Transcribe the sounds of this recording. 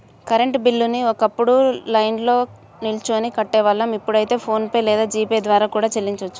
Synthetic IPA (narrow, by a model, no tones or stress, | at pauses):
kɐɾe̞ɳʈbilːuniɔkɐpːuɽulɐjnlo̞ː | nilt͡ʃoːnikɐʈːɛːʋɐlːɐmipːuɽɐjt̪e̞ːpʰo̞ːnpɐjlɛːd̪aːd͡ʒiːped̪ʋaːɾaːkuːɽaːt͡ʃelːiɲt͡ʃot͡ʃːu̥